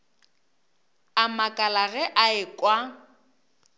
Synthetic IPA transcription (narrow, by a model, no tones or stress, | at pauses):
amakʼalaɣɛʔaɪkʼwa